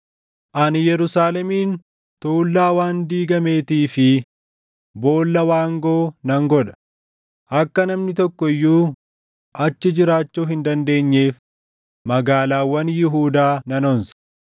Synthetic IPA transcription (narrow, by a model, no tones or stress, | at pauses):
ʔɐnjɛɾʊsaːlɛmiːn | t̪oːlːaːwaːnd̪iːɡɐme̞ːt̪iːfɪ | bo̞ːlːɐwaːŋɡoːnɐŋɡɔᶑɐ̥ | ʔɐkːɐnɐmnɪt̪ɔkːɔɪjːuː | ʔɐt͡ʃːɪd͡ʒɪɾaːt͡ʃːuːɦɪnd̪ɐnd̪e̞ːɲːe̞ːf | mɐɡaːlaːwːɐnjɪɦuːd̪aːnɐnɔnsɐ̥